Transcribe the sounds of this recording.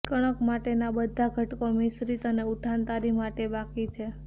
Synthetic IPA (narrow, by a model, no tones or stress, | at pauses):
kəɽ̃əkmaʈenabəd̪ʱaɡʱəʈkomɪsɾit̪əneuʈʰant̪aɾimaʈebakit͡ʃʰe